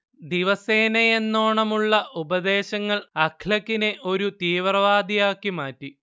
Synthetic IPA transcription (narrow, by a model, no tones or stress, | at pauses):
d̪iʋɐse̞ːnɐjenːoːɳɐmuɭːɐʔubɐd̪e̞ːɕɐŋːɐɭɐkʰlɐkːineʔo̞ɾut̪iːʋrɐʋaːd̪ijaːkːimaːtːi